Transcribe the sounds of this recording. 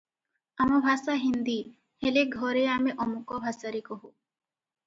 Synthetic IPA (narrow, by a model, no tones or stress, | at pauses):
amɔbʱasaɦind̪i | heleɡʱɔɾeameʔɔmukɔbʱasaɾikɔɦu